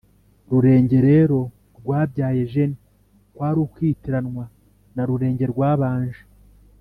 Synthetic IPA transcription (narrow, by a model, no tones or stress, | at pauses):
ɾuɾe̞ːɲɟe̞ɾe̞ːɾo̞ | ɾɡwaːbɟaːje̞ʒe̞ni | kwaːɾukwiːtiɾanŋwa | naɾuɾe̞ːɲɟe̞ɾɡwaːβaːnʒe